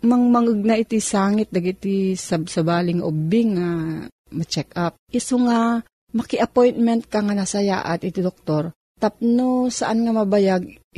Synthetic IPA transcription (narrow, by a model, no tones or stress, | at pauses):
mɐŋmɐŋɨɡ̚nɐʔit̪isaːŋɪt̪̚d̪ɐɡit̪isɐsɐbaːlɪŋaʔobɪŋa | mɐt͡ʃɛkap̚ʔɪsoŋa | mɐkɪʔɐpojnmɛnt̪̚kaŋanasɐja̰ːʔat̪ɪt̪id̪ok̚t̪oɾ | t̪ap̚nosɐʔanŋamɐbajaɡ̚